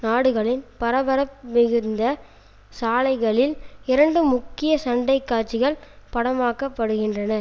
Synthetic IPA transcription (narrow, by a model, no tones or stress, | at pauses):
naːɽɯɣɐɭɪnpɐɾɐbɐɾɐpmɪɣɯɾnd̪ɐ | saːlɐɪɣɐɭɪlɪɾɐɳɖɯmʊkːɪjɐsɐɳɖɐɪkːaːt͡ʃːɪɣɐɭpɐɽɐmaːkɐpːɐɽɯɣɪndrɐnɐ